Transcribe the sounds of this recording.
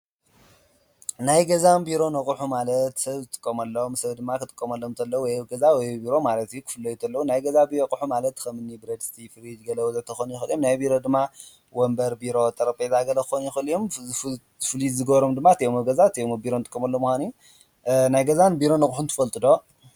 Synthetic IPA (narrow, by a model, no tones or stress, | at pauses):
najɡɐzanbiɾo̞nɐkʼħumalɐt̪sɐβzɨt̪ʼɨ̥kʼːɐmɐlːomsɐβd̪ɨmːakʰɨt̪ʼɨkʼːɐmɐlːomt̪ʰɐlːɐwwɔjɡɐzawɔjbiɾo̞malɐt̪jukʰɨ̥fɨlːɐjt̪ʰɐlːɐwunajɡɐzabiɾokʼħumalɐt̪ːkɐmɨnːibɾɐd̪st̪ʰifɨɾid͡ʒɡɐlɐwuzɐt̪ʰɐxonujɪxɨljomnajbiɾo̞d̪ɨmːa | wombɐɾbiɾo̞t̪ʼɐɾɐpʼezʼaɡɐlɐkɨ̥xonjɪxɨljom | zɨfɨlizɨɡɐβɾo̞md̪ɨmːat̪ʰɐjomɐɡɐzat̪ʰɐjombiɾonɨt̪ʼɨkʼːɐmɐlːomuxʷanij | najɡɐzanbiɾo̞nɐkʼħunt̪ʰɨ̥fɐlt̪ʼɨd̪o̞